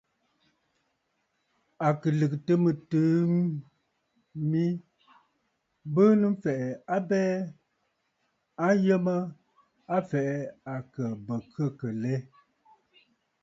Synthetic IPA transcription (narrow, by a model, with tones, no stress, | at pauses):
a˨kɨ˨lɨ˨k̚tə˦mɨ˨tɨː˦ | mi˦ | bɨ˦nɨ˦m˦fɛ˨ʔɛ˨a˦bɛː˦ | a˦n˦jə˦mə˦ | a˦fɛ˨ʔɛ˦a˨kə˨bə˨kə˦˨kə˨le˦